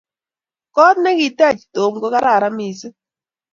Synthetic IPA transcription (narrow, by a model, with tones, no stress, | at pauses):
kɔ˦t̪nɛ˦ki˨tɛ˦˨t͡ʃi̥˨to˨mɡɔ˦ka˦ɾa˦˨ɾa˦mi˨sɪ˦